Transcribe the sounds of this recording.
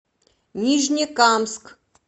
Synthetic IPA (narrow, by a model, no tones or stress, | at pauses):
nʲiʐnʲikamsk